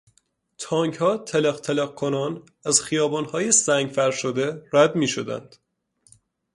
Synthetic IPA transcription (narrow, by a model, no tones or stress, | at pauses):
t̪ʰɒːŋchɒːt̪ʰeleqt̪ʰeleɣ̚kʰonɒːn | æzxijɒːbɒːnhɒːjesæŋɡfæɾʃod̪e̞ɾæd̪miːʃod̪æ̰nd̪̥